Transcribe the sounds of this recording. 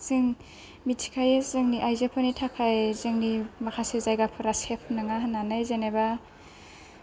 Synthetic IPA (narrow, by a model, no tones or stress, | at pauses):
zɯŋ | mitʰi̥kʰajez̥ɯŋniʔajzepʰɔnitʰakʰajzɯŋnimakʰasɯzajɡapʰɯɾasepʰnɯŋaɦananɯjzeneba